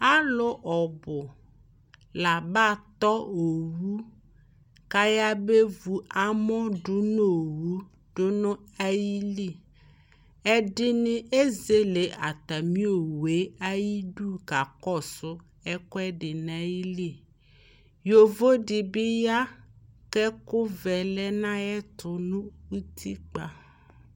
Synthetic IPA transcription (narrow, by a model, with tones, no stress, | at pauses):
a˦lʊ˦ʔɔ˨bʊ˨ | la˨ba˦˨t̪ɔ˦o˨wu˦ | ka˦ja˦be˦vu˨a˦mɔ̃˦ɖʊ˦no˦˨wu˦ | ɖ̥ʊ˦nʊ̃˦a˦ji˦li˦˨ | ɛ˦dɪ˦nɪ̃˦ʔe˦ze˦le˨ʔa˨t̪a˨mĩ˦o˨we˨˦a˦ji˦ɖu˦ka˨kɔ˦˨sʊ˦ | ɛ˦kɔ˦ɛ˦ɖɪ˨nã˦ji˦li˦˨ | jo˨vo˦ɖi˨bi˦ja˦kɛ˦kʊ˦vɛ˨lɛ˦nã˦jɛ˦t̪ʰʊ˨nũ˦wu˦t̪ʰi˦k͡pa̰˨